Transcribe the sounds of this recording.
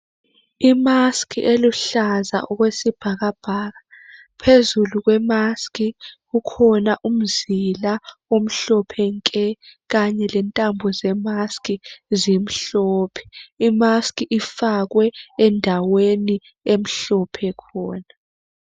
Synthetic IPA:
imaskʰʼiʔeluɬaza̰ʔɔk̬wesib̥ʱak̬ab̥ʱaːk̬a | pʰezuluk̬wɛmaskʼik̬ukʰɔnaʔum̩zilaom̩ɬɔpʰɛŋkʼɛk̬aɲɛlɛntʼambʱɔzɛmaskizim̩ɬɔːpʰɛ̥imaskʼiʔifak̬wɛɛndʱaweni | em̩ɬɔpʰɛkʰɔːna

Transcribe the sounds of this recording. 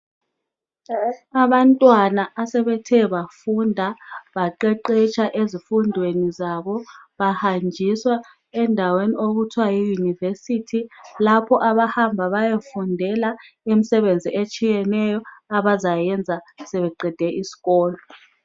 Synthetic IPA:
aβantʼwanaʔːsɛβɛtʰɛβafundʱaβaǃɛǃet͡ʃʰaʔezifundʱwenizaβɔβahand͡ʒʱiswa | ɛndʱaweniʔoɣutʰwajijunivesitʰilapʰɔʔaβahambʱaβajefundʱɛla | imisɛβend͡zʱiʔet͡ʃʼijɛnɛjɔaβazajɛnd͡zʱasɛβɛǃɛd̥ʱɛʔisi̥ɣɔːlɔ

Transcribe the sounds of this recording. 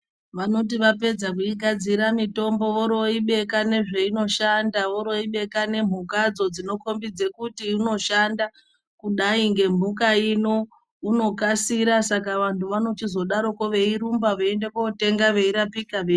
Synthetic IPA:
ʋano̞t̬iʋape̞d͡zak̬uiɡʱad͡ziɾamito̞mbo̞ʋo̞ɾo̞iɓe̞kane̞ʐe̞ino̞ʃandaʋo̞ɾo̞iɓe̞kane̞m̤ukad͡zo̞d͡zino̞ko̞mbid͡ze̞kutiuno̞ʃanda | kuɗaiŋɡe̞m̤ukaino̞ | uno̞kasiɾasakaʋantʰuʋano̞tizo̞ɗaɾo̞koʋe̞iɾumbaʋoendekoute̞ŋɡaʋe̞iɾapikaʋe

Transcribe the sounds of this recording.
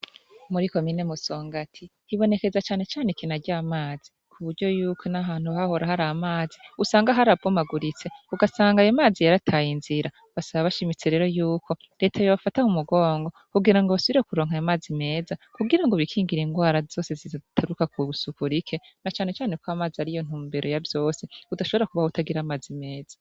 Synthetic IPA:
muɾiko̞mine̞muso̞ːŋɡatʰihiβo̞ne̞ke̞zat͡ʃaːne̞t͡ʃaːnekinaɾɟaːmaːz̥i | kʰuβuɾɟo̞juːko̞naɦaːn̥huβaho̞ɾahaɾamaːziusaːŋɡaɦaɾab̚ɡomaɡuɾit͡se̞uɡasaːŋɡajomaːzijaɾatʰaːjinziɾa | βasaβaβaʃimit͡se̞ɾe̞ːɾo̞juːkʰo̞ | ɾe̞ːtʰajoβafataumuɡo̞ːŋɡo̞kuɡiɾaŋɡoβasuβiɾekuɾo̞ːŋ̥ajamaːzime̞ːzakuɡiɾaŋɡoβikʰiːŋɡiɾiŋɡwaːɾazo̞ːse̞zizatʰaɾukakuusukuɾikʰe̞nat͡ʃaːnhe̞t͡ʃaːnekwaːmaːziaɾijon̥huːmbeɾo̞javjo̞ːse̞udaʃo̞βo̞ɾakuβahoutaɡiɾaːmaːzime̞ːza

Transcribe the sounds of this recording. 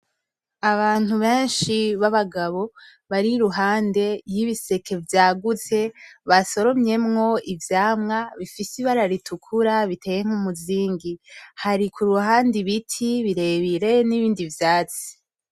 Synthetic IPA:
aβaːn̥huβe̞ːnʃiβaβaɡaβo̞ | βaɾiɾuɦaːnde̞jiβise̞kʰe̞vjaːɡut͡se̞βaso̞ɾo̞mɲe̞mŋo̞ivjaːmŋaβifisiβaɾaɾitʰukʰuɾaβitʰe̞ːjeŋ̥umuziːŋɡihaɾikʰuɾuhaːndiβitʰiβiɾe̞βiɾe̞niβiːndivjaːt͡si̥

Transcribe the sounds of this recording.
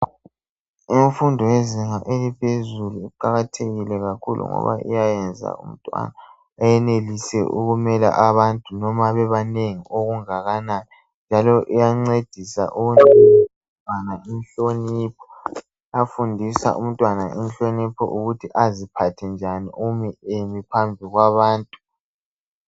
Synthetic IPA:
iɱfundʱɔjeziŋaʔelipʰezuluiǃaɣatʰeɣilɛɣakʰulṵŋɔ̰βa̰ʔḭjajɛnd͡zʱa̰ṵm̩tʼwa̰naː | jɛnelisɛʔuɣumɛla̰ʔaβantʼunɔmaβɛβaneŋiʔoɣuŋaɣanaːni | nd͡ʒʱalɔʔijaŋ͡ǀed̥ʱisa̰ʔuɣunimtʼwanaʔinɬoniːpʰɔ̥ | afundʱisa̰ʔum̩tʼwanaʔinɬonipʰɔ̰ʔuɣutʰiʔazipʰatʰɛnd͡ʒʱaniʔumiemipʰambʱiɣwaβaːntʼu

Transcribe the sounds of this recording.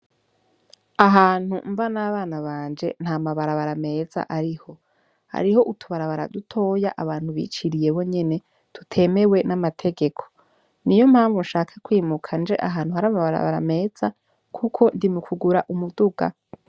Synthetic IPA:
aɦaːn̥huɱvanaβaːnaβaːnd͡ʒe̞̰n̥hamaβaɾaβaɾame̞ːz̥a̰ʔaɾiho̞ | ha̰ɾiho̞ʔutʰuβaɾaβaɾa̰dutʰo̞ːjaʔaβaːn̥huβḭːt͡ʃiɾije̞βo̞ɲe̞ne̞ | tutʰe̞me̞we̞namatʰe̞ɡe̞kʰo̞̥ | nijo̞m̥haːɱvunʃaːkʰḁkwiːmukʰand͡ʒe̞̰ʔaɦaːnhuhaɾamaβaɾa̰βa̰ɾa̰me̞ːz̥a | kʰukʰo̞ndimukʰuɡuɾaʔumuduɡa̰

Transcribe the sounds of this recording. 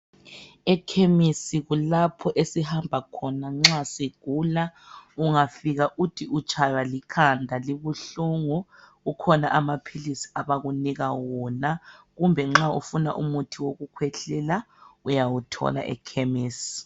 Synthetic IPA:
ɛkʰemisiɣulapʰɔʔesihambʱakʰɔnaŋ͡ǁasiɡ̥ʱulauŋafiɣaʔutʰiut͡ʃʼʰajwalikʰandʱaliβuɬuŋu | ukʰɔnaʔamapʰilisi̥aβaɣuniɣawɔnaɣumbʱɛŋ͡ǁaṵfuna̰ʔṵmutʰiwoɣukʰwɛɬɛla | ujawutʰɔ̰la̰ʔɛ̰kʰemiːsi̥

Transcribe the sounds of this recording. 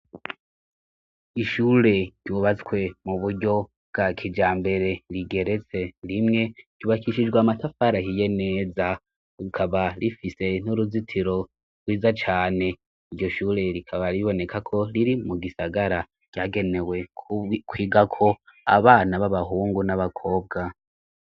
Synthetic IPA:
iʃuːɾe̞ɟ̥uβat͡swe̞muβuɾɟo̞ | bɡ̥aːkʰid͡ʒaːmbe̞ɾe̞ɾiɡe̞ɾe̞t͡se̞ɾimŋe̞ɟ̥uːβakiʃid͡ʒɡwaːmatafaɾahije̞ne̞za | ukʰaβaɾifise̞n̥uɾuzitʰiɾo̞ | ɾɡwiːzat͡ʃaːne̞ | iɾjo̞ʃuːɾe̞ɾikʰaβaɾiβo̞ne̞kʰakʰo̞ɾiɾimuɡisaɡaɾa | ɡ̥jaːɡe̞ne̞we̞kʰwiːɡakʰo̞a̰βaːnaβaβaɦuːŋɡunaβakʰo̞ːb̚ɡa

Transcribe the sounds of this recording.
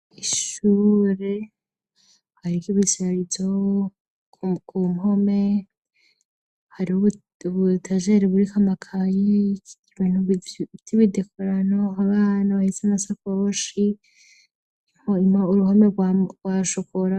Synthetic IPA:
iʃuːɾe | haɾikiβisiaɾizo | kʰumɦo̞me̞ | haɾiuβu | βutʰaʒeɾeβuɾikʰamakʰajei̥iβinhuβtʰiβidekʰoɾanoaβaːnaβahisenasakoʃi | ihoimauɾuhomeɡwaɡwaʃokoɾa

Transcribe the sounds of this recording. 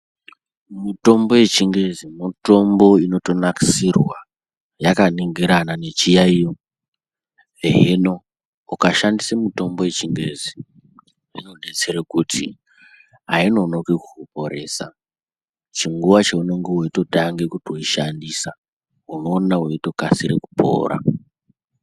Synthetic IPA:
muto̞mbo̞je̞t͡ʃiŋɡe̞zimuto̞mbo̞ino̞to̞naki̥sirwa | jakaniŋɡiɾanane̞t͡ʃijaijo | eɦeno̞ | ukaʃandisemuto̞mbo̞je̞t͡ʃiŋɡe̞zi | inonet͡seɾekutʰḭ | aino̞nokwekuopo̞ɾe̞ːsa̰ | t͡ʃiŋɡuʋat͡ʃeuno̞ŋɡewoito̞taŋɡekutioiʃandisa | uno̞ːnaɦoito̞kasiɾeku̥pʰo̞̰ːɾa̰

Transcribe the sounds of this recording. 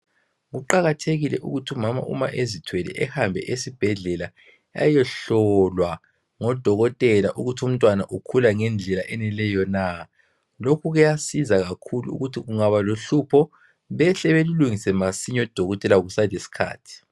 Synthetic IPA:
ɣuǃaɣatʰeɣilɛʔuɣutʰiumama̰ʔṵma̰ʔezitʰwɛlɛ̰ʔɛhambʱɛ̰ʔesib̥ʱɛɮɛla | a̰jɛɬɔlwa | ŋɔd̥ʱɔɣɔtʼɛla̰ʔuɣutʰum̩tʼwanaʔukʰulaŋɛnd͡ɮʱɛlaʔɛnɛlɛjɔna | lokʰuɣɛjasizaɣakʰuluṵɣutʰiɣuŋaβaloɬupʰɔ | βɛɬɛβeluluŋisɛmasiɲɔd̥ʱɔɣɔtʼɛlaɣusalesi̥kʰa̰ːtʰi̥

